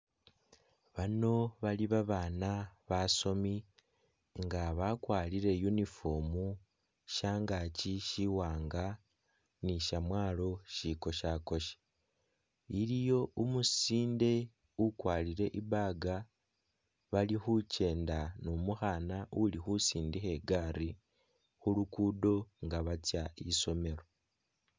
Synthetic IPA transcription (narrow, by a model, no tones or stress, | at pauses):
βano̞βaliβaβaːnaβaso̞mi | ŋɡaβakwaːliɾe̞junifomu | ʃaːŋɡaːciʃiwaːŋɡa | niʃamwaːlo̞ʃiko̞ʃako̞ʃe̥ | iɾijo̞umusiːnde̞ | ukwaːliɾe̞ʔiβaːɡa | βalixuce̞ːndanomuxanaulixusiːndixe̞ɡaːɾi | xulukudo̞ŋɡaβat͡sjaiso̞me̞ɾo̞